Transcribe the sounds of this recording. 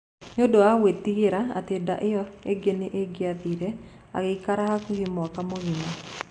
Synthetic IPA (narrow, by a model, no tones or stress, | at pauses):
ɲodoawet̪iɡɪɾaa̰t̪eda̰ʔɪɔeɡeneʔeɡɪapiɾe | a̰ɡɪkaɾahakuhimɔakamoɣina